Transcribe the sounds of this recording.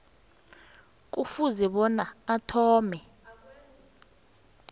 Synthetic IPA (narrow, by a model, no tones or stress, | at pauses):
k̬ʼufuzɛɓɔnaatʰɔːmɛ